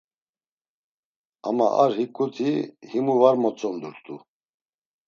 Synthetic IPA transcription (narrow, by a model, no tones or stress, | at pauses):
a̰ma̰ʔaɾhikʼut̪ʰihimuvaɾmɔt͡sʼɔnd̪uɾt̪ʰʼu